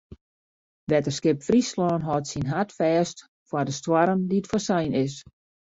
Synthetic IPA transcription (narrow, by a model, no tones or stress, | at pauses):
ʋɛtərskɪpfrislɔːnɦɔtsinɦatfɛːst | fadəstwaɾəndiətfɔsɛjnɪs